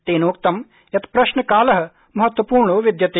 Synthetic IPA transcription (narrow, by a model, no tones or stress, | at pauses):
t̪eːnoːk̚t̪ɐm | jɐt̪pɾɐʃnəkaːləɦ | mɐɦət̪wəpuːɾɳoʋɪd̪jɐt̪